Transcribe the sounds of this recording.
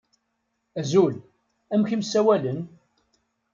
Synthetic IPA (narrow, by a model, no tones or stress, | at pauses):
æzul | æmçimsːæwælən